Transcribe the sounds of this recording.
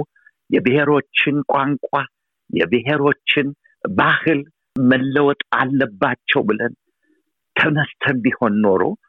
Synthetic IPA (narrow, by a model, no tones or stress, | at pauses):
jɛbɨheɾo̞t͡ʃːɪnkʼaŋkʼa | jɛ̰bɨɦeɾo̞t͡ʃːɪn | bahɨl | məlːəwɔt̪ʼa̰lːəbːat͡ʃːɛwbɨlən | t̪ʰənəst̪ʰənbiho̞nːo̞ɾo̰